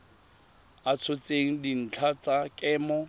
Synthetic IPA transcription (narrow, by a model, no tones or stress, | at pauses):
at͡sʰot͡sʼeŋ̩din̩t͡ɬʰat͡sʼakʼɛːmɔ